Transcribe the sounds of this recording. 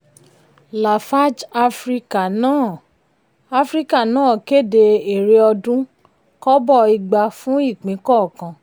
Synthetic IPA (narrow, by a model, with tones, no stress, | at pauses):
la˨fa˦d͡ʒa˧fɾi˦ka˨nãː˦˨ | a˧fɾi˦ka˦˨nãː˦˨ke˦˨de˧e˨ɾe˧˦ɔ˧dũ˦ | kɔ˦bɔ˦˨i˧ɡ͡ba˧fũ˦i˦˨k͡pĩ˨˦kɔ˦˨kã˧